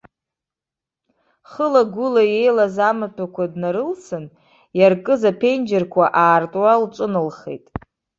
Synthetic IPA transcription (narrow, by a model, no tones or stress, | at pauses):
χəlaɡʷʊlaje̞jlazamɨtʰakʷʰadnaɾɨlsɨn | jarkʼɨzapʰe̞nd͡ʒɪrkʷʰaʔaːrtʼwalt͡ʃʷʼɨnɨlχḛjtʼ